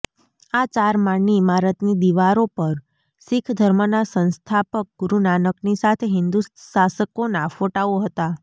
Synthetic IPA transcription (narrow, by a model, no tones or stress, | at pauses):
at͡ʃaɾmaɳːimaɾət̪nid̪iʋaɾopəɾ | sɪkʰd̪ʱəɾmənasə̃nst̪ʰapək̚ɡuɾunanəknisat̪ʰeɦɪnd̪usasəkonafoʈaoɦət̪a